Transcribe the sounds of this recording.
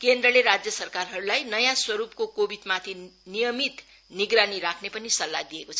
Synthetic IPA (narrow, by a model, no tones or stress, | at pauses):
kend̪rʌleɾad͡zjʌsʌrkarɦʌɾulajnʌjãswʌɾupkokobid̪mat̪ʰinijʌmit̪ | niɡraniɾakʰnepʌnisʌlːad̪ijekot͡sʰʌ